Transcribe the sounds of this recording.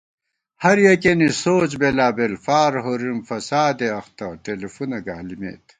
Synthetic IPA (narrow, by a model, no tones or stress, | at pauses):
hɐɾjekenisoːt͡ɕbelaːbelfaːɾɦoɾimfɐsaːd̪eɐxt̪ɐʈelefunɐɡa̰ːlimḛːt̪